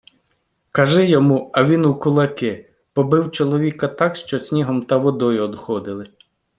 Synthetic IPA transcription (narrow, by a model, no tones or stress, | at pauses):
kɐʒɪjɔmuɐʋʲinukʊlˠɐkɪ | pɔbɪwt͡ʃɔlˠɔʋʲikɐt̪ɑkʃt͡ʃɔsʲnʲiɦɔmt̪ɐʋɔd̪ɔjʊɔd̪xɔd̪ɪlˠɪ